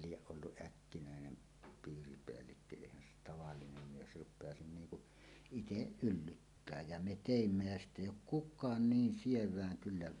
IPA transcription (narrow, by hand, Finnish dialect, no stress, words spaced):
lieʔ ʔolːuʔ ʔækːinæˑenen piːripeælːikːø eˑihæn se tɑʋɑlːinem mies rupˑeɑsin niːŋ kuʔ iteʔ ʔylːytːæː jæ me teˑimːæ jæ sitˑ eˑijˑ oːk kukˑɑːn niːn sieʋˑæːŋ kylːæ